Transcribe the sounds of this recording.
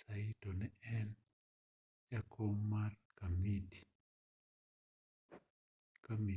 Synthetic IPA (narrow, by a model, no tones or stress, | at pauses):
saitɔnɛɛn | jakʰɔmarkamidi̥ | kami